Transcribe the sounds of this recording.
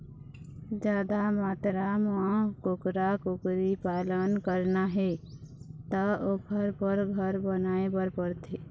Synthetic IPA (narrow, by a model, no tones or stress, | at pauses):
d͡ʒjaːd̪amaːt̪ɾamãkokɾakokɾipaːlənkəɾnaɦɛ | t̪əokʰəɾpəɾɡʱəɾbənaːebəɾpəɾt̪ʰe